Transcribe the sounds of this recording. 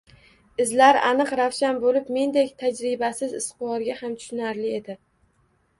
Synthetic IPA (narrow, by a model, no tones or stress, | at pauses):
ɪzlaɾanɨqɾawʃanbolɪpme̞nd̪ekʲt̪ʰad͡ʒɾɪbasɪzɪst̪qɨwɒɾɡʲahamt̪ʰʊ̥ʃʊnaɾlɪed̪ɪ